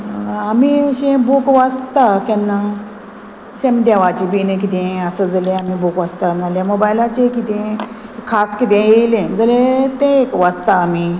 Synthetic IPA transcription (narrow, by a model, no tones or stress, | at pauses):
amiɕẽbukʋast̪akɛ̃nːa | ɕemd̪aʋat͡ɕibinẽk̬it̪ẽəsəd͡zəlẽamibukʋast̪analemobajlat͡ɕekit̪ẽ | kʰːaskit̪̬ẽjeilẽd͡zəlet̪ẽːkʋast̪aːmi